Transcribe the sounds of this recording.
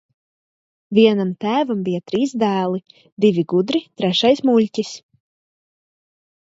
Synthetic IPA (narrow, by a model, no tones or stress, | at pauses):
vʲiɛnamt̪æːvambʲijat̪ɾiːsd̪æːlˠi | d̪ivʲiɡud̪ɾit̪ɾɛʃajsmuʎʲcʲis